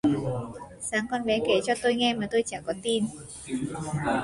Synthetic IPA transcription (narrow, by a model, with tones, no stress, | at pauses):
saː˨˦ŋkɔ˧nvɛ˨˦ke˨˦t͡ɕɔ˧t̪o˧jŋɛ˧maː˨˩t̪o˧jt͡ɕaː˧˩kɔ˨˦t̪i˧n